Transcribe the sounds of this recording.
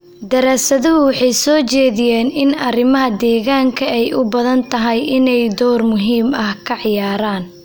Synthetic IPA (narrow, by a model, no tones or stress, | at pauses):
d̪ɐɾaːsɐðɐɦʊwɑħɑjsɔːt͡ʃɛːðɪjɛːnɪnɐrɪmɐɦɐd̪ɛːɣaːŋkʰɐɛjʔʊbɐðɐnt̪ʰɐɦɐjɪnɛjd̪ɔːrmʊɦiːmɐhkʰɐʕɪjaːɾaːn